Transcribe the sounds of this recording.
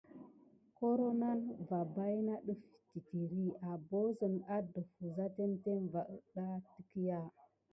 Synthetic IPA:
ko˦ɾo˦na˦nva˨ba˦jna˦ɗə˦fti˨ti˨ɾi˦a˨bo˦zə˨na˦də˨fu˨za˦te˦nte˦nva˨ʔə˦˨ɗa˦tə̥˦ki˦ja˦

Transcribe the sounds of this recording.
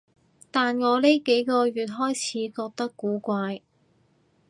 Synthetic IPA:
t̪aː˨nŋɔː˨˧le˥jke˨˥jkɔː˧ɥyː˨t̚ɦɔː˥jt͡sʰiː˨˥kɔː˧k̚t̪ɐ˥kːuː˨˥kʷaː˧j

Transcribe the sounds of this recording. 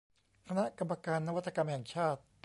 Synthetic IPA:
kʰa˧na˦˥ʔka˧mːa˧kaː˧nːa˧wa˥t̪sa˧ka˧m˧ɦɛ˨˩ŋt͡ɕʰaː˥˩t̪̚

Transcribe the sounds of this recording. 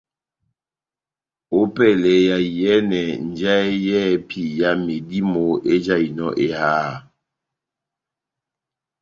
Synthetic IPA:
o˦pɛ˦˨lɛ˨ja˨jɛ˦nɛ˨n̩˨d͡ʒɛ˦jɛ˦˨pʰi˨ja˦me˨di˦mo˨ʔe˦d͡ʒa˦˨i˨nɔ̰˦˨ʔe˦haː˦˨

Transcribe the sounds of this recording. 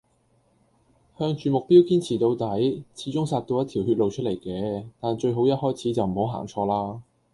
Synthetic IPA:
hœː˧ŋt͡ʃyː˨˧mʊ˨k̚pi˥wkiː˥nt͡sʰiː˨˩t̪o˧wt̪ɐ˨˥jt͡sʰiː˨˥t͡ʃʊ˥ŋsaː˧t̚t̪o˧wjɐ˥t̪ʰiː˨˩whyː˧t̚lo˨wt͡ʃʰɵ˥t̚le˨˩jkɛː˧t̪aː˨nt͡ʃɵ˧ɥɦo˨˥wjɐ˥t̚hɔː˥jt͡sʰiː˨˥t͡sɐ˨wm̩˨˩ho˨˥wɦa̰ː˨˩ŋt͡ʃʰɔː˧laː˥

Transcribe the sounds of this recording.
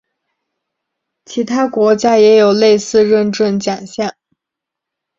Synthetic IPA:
t͡ɕʰi˧˥t̪ʰa˥kwɔ˧˥t͡ɕja˥jɛ˧˥jo˨˩ʊle˥˧ɪsɹ̩˥˧ɻə˥˧nʈ͡ʂə˥˩nt͡ɕja˨˩ŋɕjɑ˥˩ŋ

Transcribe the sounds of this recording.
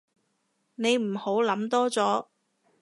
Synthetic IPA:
ne˨˧jm̩˨˩ho˨˥wlɐ˨˥mt̪ɔː˥t͡sɔː˨˥

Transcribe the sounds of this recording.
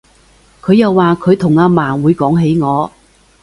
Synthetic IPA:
kʰɵ˨˧jɐ˨˧wːaː˨kʰɵ˨˧ɥt̪ʰʊ˨˩ŋaː˧maː˨˩nwuː˨˧jkɔː˨˥ŋɦe˨˥jŋɔː˨˧

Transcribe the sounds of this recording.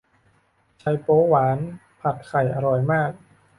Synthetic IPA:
t͡ɕʰa˧jpoː˦˥waː˩˦n | pʰa˨˩t̪̚kʰa˨˩jʔa˧ɾɔ˨˩jmaː˥˩k̚

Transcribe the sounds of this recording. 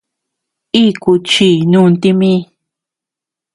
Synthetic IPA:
i˦ku˧t͡ʃi˧˨nũ˧nt̪i˧mĩ˦

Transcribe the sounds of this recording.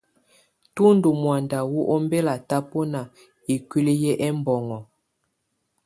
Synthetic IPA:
tu˦ndu˨mwa˨nda˨wu˦ʔɔ˦mbɛ˦la˨ta˦po˦na˨ | i˨kwi˦le˦jɛ˦ʔɛ˦mbɔ˨ŋɔ˨

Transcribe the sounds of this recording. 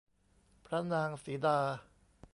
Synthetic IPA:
pʰɾa˦˥naː˧ŋsiː˩˦daː˧

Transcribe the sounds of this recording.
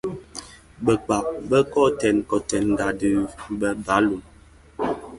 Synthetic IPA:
bɛ˨k͡pa˨p̚bɛ˦kɔ˦˨tɛ˨nkɔ˨tɛ˨nŋ̩˨ɡa˨dɨ˨bɛ˦ba˨˦lu˨m

